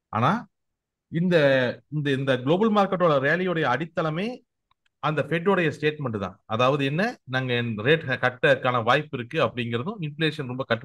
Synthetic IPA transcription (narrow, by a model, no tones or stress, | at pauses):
ʔa̰ːnaː | ɪnd̪ɐɪnd̪ɐɪnd̪ɐɡɪɭoːbɐlmaːɾkːɐʈ̬ːoːɭɐʋeːlɪjɯɽɐjɐːɽɪt̪ːɐlɐmeː | ɐnd̪ɐfeʈ̬ːoːɽɐjɐsʈeːʈmɛɳɖɯt̪ã̰ːɐðaːʋɐðɯɛnːɐnaːŋɡɐnɾeːʈkɐʈːɐkːaːnɐʋaːjpːɪɾɯkːɯɐpːɐɽɪŋɡɪɾɐðɯ̃ɪnfɪleːʂɐnɾɔmbɐkɐʈː